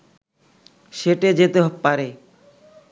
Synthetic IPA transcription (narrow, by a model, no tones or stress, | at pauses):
ʃeʈed͡ʑet̪eɦpaɾe